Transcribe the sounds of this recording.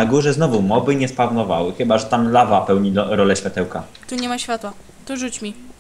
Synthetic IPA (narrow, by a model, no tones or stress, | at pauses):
aɡuʐɛznɔvumɔbɘɲɛspavnɔvawɘxɘbaʐɛt̪amlavapɛwɲiɔɾɔlɛɕfʲjat̪ɛwka | t̪uɲɛmaɕfʲjat̪wa | t̪uʐut͡ɕmʲi